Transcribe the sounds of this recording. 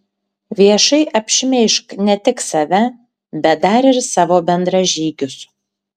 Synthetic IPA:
ʋʲiɛʃɐɪʔɐpʲʃʲɪmʲɛɪʃknʲɛt̪ʲɪksɐʋʲɛ | bʲɛt̪̚d̪ɐɾɪɾsɑːʋoːbʲɛnd̪ɾɐʒʲiːɡʲʊs

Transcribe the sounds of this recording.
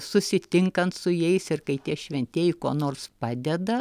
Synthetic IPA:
sʊsʲɪt̪ʲɪŋkɐnt̪sʊjɛɪsɪrkɐɪt̪ʲiɛʃʲʋʲɛnʲt̪ʲeːjɪkoːnoːrspɑːd̪ʲɛd̪ɐ

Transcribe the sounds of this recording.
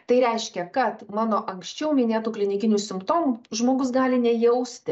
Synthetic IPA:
t̪ɐɪɾʲɛɪʃʲkʲɛkɐt̪mɑːnoːʔɐŋksʲt͡ʃʲɛʊmʲɪnʲeːt̪uːklʲɪnʲɪkʲɪnʲuːsʲɪmpt̪oːmuʒmoːɡʊsɡɑːlʲɪnʲɛjɛʊsʲt̪ʲɪ

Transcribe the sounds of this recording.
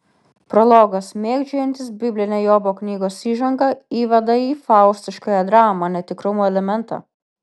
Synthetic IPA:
pɾɔlˠoːɡɐsmʲeːɡd͡ʒʲoːjɛnʲt̪ʲɪsbʲɪbʲlʲɪnʲeːjoːboːknʲiːɡoːsiːʒɐŋɡɐiːʋʲɐd̪ɐiːfɑˑʊsʲt̪ʲɪʃkɐːjɛd̪ɾɑːmɐnʲɛt̪ʲɪkɾʊmuːɛlʲɛmʲɛnt̪ɑ̰ː

